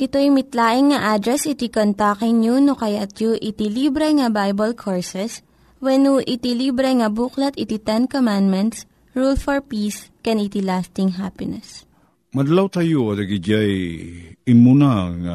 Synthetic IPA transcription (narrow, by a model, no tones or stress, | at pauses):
ʔɪt̪ojmɪt̪laːʔɪŋːɐʔad̪ɾɛsɪt̪ikont̪akɪŋɲunokɐjat̪̚juʔɪt̪ilibɾɛŋɐbajbɐlkʰoɹsɛs | wɛnuʔɪt̪ilibɾɛŋɐbuːklɐt̪ɪt̪it̪ɛnkomãnd̪mɛnt̪s | ɹulfɔɹpiːskɛnit̪ilast̪ɪŋɦapɪnɛs | mɐd̪ɐlawt̪ajoɐd̪ɐɡid͡ʒaj | ɪmunaŋa